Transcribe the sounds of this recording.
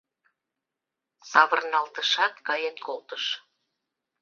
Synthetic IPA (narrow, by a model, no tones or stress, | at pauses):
sɑβə̆rnɑlt̪əʃɑt̪kɑjenkolt̪əʃ